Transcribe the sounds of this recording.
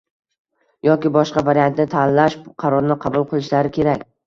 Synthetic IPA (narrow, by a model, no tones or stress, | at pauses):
jɒkʲɪbɒʃqɑvaɾijant̪nɪt̪ʰanːaʃqʰɑɾɒɾnɪqʰɑbʊlˠqʰɨlˠɪʃlaɾɪkʲʰe̞ɾakʲ